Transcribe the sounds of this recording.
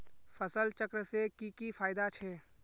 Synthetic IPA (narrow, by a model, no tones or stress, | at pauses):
fəsəlt͡ʃəkɾəsekikifaːɪd̪at͡ʃʰɛː